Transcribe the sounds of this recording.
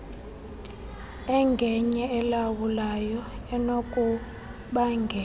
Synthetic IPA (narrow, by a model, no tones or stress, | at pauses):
ɛŋɡʱɛɲɛɛlawulajɔɛnokʼu | ɓaŋɡʱɛ